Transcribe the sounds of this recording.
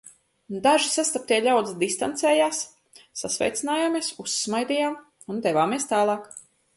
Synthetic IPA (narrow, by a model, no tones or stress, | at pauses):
d̪aʒisast̪ap̚t̪iɛʎʲawd̪zd̪ist̪ant̪sɛːjaːsː | asvʲɛ̰jt̪sinaːjaːmiɛsusːmajd̪ʲiːjaːm | und̪ɛvaːmiɛst̪aːlˠɑːk